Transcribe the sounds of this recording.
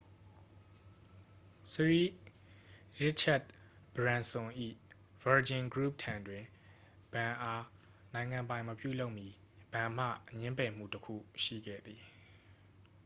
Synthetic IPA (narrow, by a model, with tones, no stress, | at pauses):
sɹi˦ | ɹɪ˦t͡ʃʰa˦˨t̚ | b̥əɹã˨nsʊ̃˨ʔḭ˦˨ | v̥ə˨d͡ʑɪ̃˨nɡɹu˦˨p̚tʰã˨ndwɪ̃˨ | b̥ã˨ʔa˦ | nã˨ɪ̃ŋã˨mpã˨ɪ̃məpjṵ˦˨lo˦ʊʔmji˦ | b̥ã˨m̥ä̰˦˨ɲɪ̃˦mpɛ˨m̥ṵ˦˨təkʰṵ˦˨ʃḭ˦˨ɡɛ̰˦˨d̪ði˨